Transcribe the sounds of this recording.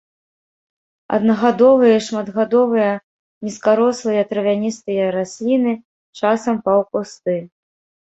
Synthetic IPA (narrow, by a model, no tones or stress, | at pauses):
ɐ̰d̪nɐɣad̪ɔvɨjɐʂmɐd̪ɣad̪ɔvɨjɐ | nʲiskaɾɔslˠɨjɐt̪ɾɐvʲanʲist̪ɨjɐɾasʲlʲinɨ | t͡ʂasɐmpɐwkust̪ɨ